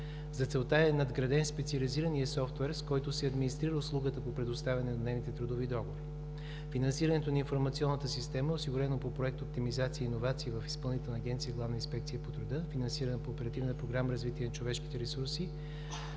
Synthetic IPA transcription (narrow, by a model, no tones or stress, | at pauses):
zɐt̪sɛlˠt̪aɛnɐd̪ɡɾɐd̪ɛnspɛt̪sʲiɐliziɾənijəsɔft̪vɛɾskɔjt̪ʊsɛɐd̪minist̪ɾiɾəʊslˠuɡət̪əpopɾɛd̪ʊst̪avʲɛɐnɛnɐnɛvnit̪ɛt̪ɾud̪ovid̪ɔɡovi | finɐnsiɾənɛt̪onɐinfoɾmɐt̪siɔnːət̪əsist̪ɛməɛosiɡʊɾɛnopopɾoɛk̚t̪oop̚t̪imizat̪siəiːnovat̪siːvəfi̥spɤlˠnit̪ɛlˠnɐɡ̟ʲɛnt̪siəɡlˠavnəinspɛk̚t̪sijəpot̪ɾud̪ɤfinɐnsiɾɐnɐpoːpɛɾɐt̪ivnətpɾoɡɾaməɾɐzvit̪iɛnɐt͡ʃovɛʃki̥t̪ɛɾɛsuɾsi